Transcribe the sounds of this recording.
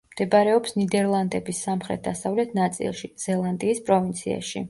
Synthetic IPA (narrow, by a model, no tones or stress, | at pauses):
md̪̥ɛbaɾɛɔpsnid̪ɛɾlˠand̪ɛbisːamχɾɛ̰t̪̚d̪asavlɛt̪ʰnat̪sʼḭlˠʃiz̥ɛlˠand̪iːspʼɾɔvint̪sʰia̰ʃḭ